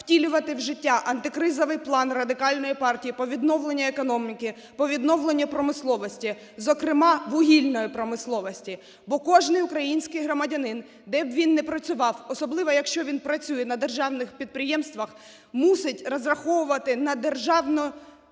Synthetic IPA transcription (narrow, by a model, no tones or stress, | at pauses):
wtʲilʲʊʋɐt̪ɪwʒɪtʲːaʔɐnt̪ɪkɾɪzɔʋɪjplˠɑnrɐd̪ɪkɑlʲnɔjipɑrtʲijipɔʋʲid̪nɔwlˠe̞nʲːɐekɔnɔmʲikɪ | pɔʋʲid̪nɔwlˠenʲːɐpɾɔmɪslˠɔʋɔsʲtʲi | zɔkɾɪmɑʋʊɦʲilʲnɔjipɾɔmɪslˠɔʋɔsʲtʲi | bɔkɔʒnɪjʊkɾɐjinʲsʲkɪjɦɾɔmɐdʲɐnɪn | d̪ɛbʋʲinːɛpɾɐt͡sʲʊʋɑwɔsɔblˠɪʋɔjɐkʃt͡ʃɔʋʲinpɾɐt͡sʲujɛnɐd̪erʒɑwnɪxpʲid̪̚pɾɪjɛmst̪ʋɐx | musɪtʲrɔzrɐxɔʋʊʋɐt̪ɪnɐd̪erʒɑwnʊ